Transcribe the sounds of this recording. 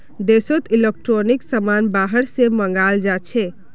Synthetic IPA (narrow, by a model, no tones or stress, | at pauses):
d̪esot̪ilek̚ʈɾoniksəmanbaɦəɽseməŋɡald͡ʒat͡ʃʰɛ